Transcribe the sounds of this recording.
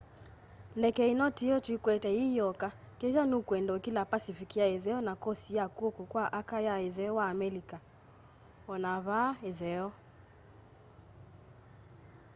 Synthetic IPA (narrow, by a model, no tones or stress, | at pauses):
lɛkɛinɔtiɔtikwɛtɛijɔka | keʒɔnukwɛndokilapasifikiaeðɛɔnakɔsijakokokwaʔakajaeðɛɔwaːmɛlika | ɔnaβaeðɛɔ